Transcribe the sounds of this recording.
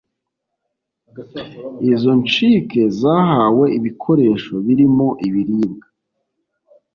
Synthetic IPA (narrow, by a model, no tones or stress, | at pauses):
izo̞nt͡ʃike̞zaːhaːwe̞iβikʰo̞ɾe̞ːʃo̞βiɾimo̞ʔiβiɾiːŋɡa